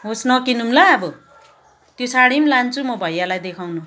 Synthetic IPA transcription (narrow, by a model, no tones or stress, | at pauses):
ɦosnʌkinumlaːbʌ | t̪josaɽimlant͡sʰumʌbʱʌjːalajd̪ekʰawnu